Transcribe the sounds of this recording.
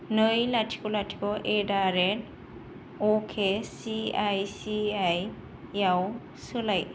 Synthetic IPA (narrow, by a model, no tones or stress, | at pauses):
nɯjlatʰi̥kɔlatʰi̥kɔʔedaɾen | okʰesiajsiaj | jaw | sɯlaj